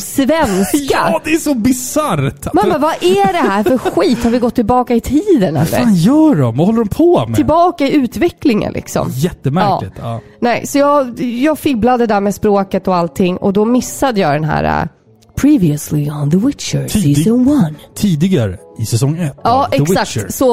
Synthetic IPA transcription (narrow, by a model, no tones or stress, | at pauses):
svɛnskad̪ɛæsɔbɪsaɾt̪mamːavaʔæɖɛɦæːɾfœɾɧiːt̪haɾvɪɡɔt̪ʰːɪlbɑːkaɪt̪ʰiːd̪ənɛ̰l̰ːaɾːnjœːɖɔmvahɔlːəɾɔmpʰɔmʰɪlbɑːkaɪʉ̟ːt̪vɛklɪŋə̰nlɪ̰ksɔ̰mjɛt̪ːəmæɾɑːlɪt̪ː | nɛɪsɔjɑːɡjɑːɡfɪblad̪əd̪æɾmeːspɾoːkət̪ɔalt̪ʰɪŋːɔ̰d̪ɔmɪsːad̪əjɑːd̪ɛnɦæ̰ːɾa̰ | pʰɹiːvɪəslɪənðəwɪt͡ʃəiɔŋwant̪ʰiːd̪ɪɡaɾəɪsɛsɔŋːɛt̪ːɑːʔɛksak̪̚sɔ